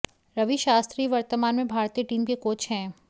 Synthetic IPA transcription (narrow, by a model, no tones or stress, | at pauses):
ɾɐʋiʃaːst̪ɾiːʋɐɾt̪əmaːnmẽbʱaːɾt̪iːəʈiːmkekoːt͡ʃʰɦɛ̃ː